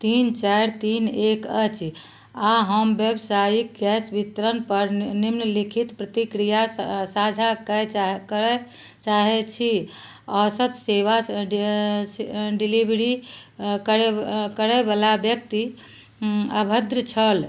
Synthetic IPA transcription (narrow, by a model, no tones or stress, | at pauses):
t̪int͡ʃajɾt̪inekət͡ʃʰ | aɦəmbjebsajik̚ɡɛsbit̪ɾənpəɾnimnəlikʰit̪pɾət̪ikɾijasad͡ʒʱakəkɛ | t͡ʃaɦɛt͡ʃʰi | ɔsət̪seʋa | ɖilibɾikəɾɛkəɾɛbalabjəkt̪i | əbʱəd̪ɾət͡ʃʰəl